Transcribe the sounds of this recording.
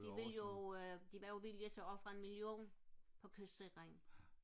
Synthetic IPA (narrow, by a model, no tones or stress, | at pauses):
d̥iʋeljo̝d̥iʋɑjo̝ʋiljət͡sʰeɒ̽b̥fʁɑe̝nmiljo̝̰ːnpʰɒ̽kʰøsd̥seɡ̥ʁeŋn̩